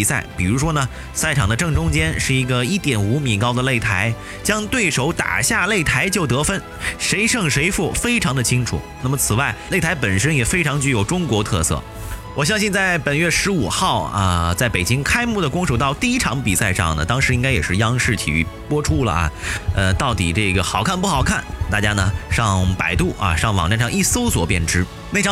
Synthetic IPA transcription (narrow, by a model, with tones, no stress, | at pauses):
i˨˩sa˥˩ɪpi˨˩ɻu˧˥ʂwɔ˥nə˨ | sa˥˩ɪʈ͡ʂʰɑ˨˩ŋd̪ə˦ʈ͡ʂɤ˥˩ŋʈ͡ʂʊ˥ŋt͡ɕjɛ˥nʂɻ̩˥˩i˧˥ɡə˧i˥˩t̪jɛ˨˩nu˧˥mi˨˩kɑ˥ʊd̪ə˨le˥˩ɪt̪ʰa˧˥ɪ | t͡ɕjɑ˥ŋt̪we˥˩ɪʂo˧˥ʊt̪a̰˨˩ɕja˥˧le˥˩ɪt̪ʰa˧˥ɪt͡ɕjo˥˩ʊt̪ɤ˧˥fə˥n | ʂe˧˥ɪʂɤ˥˩ŋʂe˧˥ɪfu˥˩fe˥ɪʈ͡ʂʰɑ˧˥ŋd̪ə˧t͡ɕʰi˥ŋʈ͡ʂʰṵ˨˩na˥˩mə˩t͡sʰɹ̩˨˩wa˥˩ɪle˥˩ɪt̪ʰa˧˥ɪpə˨˩nʂə˥njɛ˨˩fe˥ɪʈ͡ʂʰɑ˧˥ŋt͡ɕy˥˩jo˧˩ʊʈ͡ʂʊ˥ŋkwɔ˧˥t̪ʰɤ̰˥˧sɤ̰˥˩ | wɔ˨˩ɕjɑ˥ŋɕi˥˧nt͡sa˥˩ɪpə˨˩nɥɛ˥˩ʂɻ̩˧˥u˨˩xɑ˥˩ʊə̰˧t͡sa˥˩ɪpe˨˩ɪt͡ɕi˥ŋkʰa˥ɪmu˥˩d̪ə˩kʊ˥ŋʂo˨˩t̪ɑ˥˧ʊt̪i˥˩i˥ʈ͡ʂʰɑ˧˥ŋpi˨˩sa˥˧ɪʂɑ̰˥˩ŋnə˩t̪ɑ˥ŋʂɻ̩˧˥i˥ŋka˥ɪjɛ˨˩ʂɻ̩˥˩jɑ˥ŋʂɻ̩˥˩t̪ʰḭ˨˩y̰˥˩pwɔ˥ʈ͡ʂʰu˥lə̰˨ɐ̰˩ə˧t̪ɑ˥˩ʊt̪ḭ˨˩ʈ͡ʂɤ˥˩ɡə˩xɑ˨˩ʊkʰa˥˧npu˥˩xɑ˨˩ʊkʰa˥˩nt̪a̰˥˩t͡ɕja˥nə˨ʂɑ˥˩ŋpa˨˩ɪt̪u˥˩ʔɐ̰˨ʂɑ˥˩ŋwɑ˨˩ŋa˥˧nʂɑ˥˧ŋi˥˩so˥ʊswɔ̰˨˩pjɛ˥˩nʈ͡ʂɻ̩˥ | ne˥˩ɪʈ͡ʂʰɑ˥